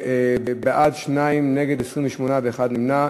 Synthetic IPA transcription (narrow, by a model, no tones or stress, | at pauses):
beʔad̪ʃnaimneɡed̪esʁimveʃmonaveeχad̪nimna